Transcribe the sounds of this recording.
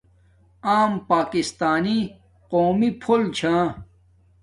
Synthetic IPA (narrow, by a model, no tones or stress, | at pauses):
aːmpaːkist̪aːni | qoːmipʰolt͡ɕʰãː